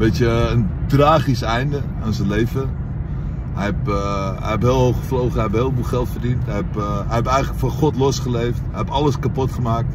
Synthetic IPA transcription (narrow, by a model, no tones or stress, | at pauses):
betjəəntraːχisɛjndə | ansənlejvə | ɦɛjɛpɛ̰jhɛphɪːlˠɦoxəflowχəhɛjɛpɦeːlˠbulˠxɛlˠtfərdintɦɛjɛpɛjɛpɛjələkfɔχɔtlosχəlejfthɛjɛpɑləskapotχəmaːk̚t